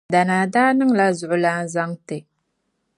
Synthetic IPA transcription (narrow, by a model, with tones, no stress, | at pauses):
da˨naː˨daː˦nɨ˦ŋla˦zʊ˨ʔʊ˨la˦nza˦ŋtɨ˨